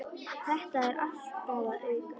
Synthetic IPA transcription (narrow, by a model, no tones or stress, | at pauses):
θɛht̪aɛɾʔaft̪paːwðaðʏk